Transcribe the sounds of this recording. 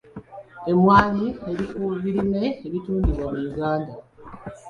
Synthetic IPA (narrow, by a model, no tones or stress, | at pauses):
e̞mwaːlieɾifuːβiɾime̞ːβituːndiβwamujuɡaːnda